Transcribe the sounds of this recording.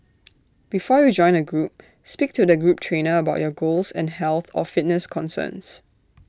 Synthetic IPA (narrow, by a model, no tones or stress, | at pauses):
b̥ifɔjud͡ʒɔ̃ɪ̃nəɡɹup̚ | spik̚tudəɡɹup̚tʰɹẽnəəbaʊʔjɔɡolsɛ̰̃nhɛlˠθɔ̰fɪt̚nəskʰɔ̃nsə̰̃ns